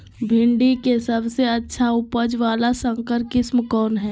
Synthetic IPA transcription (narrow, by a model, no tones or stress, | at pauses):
bʱɪ̃ɳɖikesɐbseɐtːʃʰaʊpəd͡ʒʋaːlasə̃ŋkəɾkɪsmkɔːnɦɛː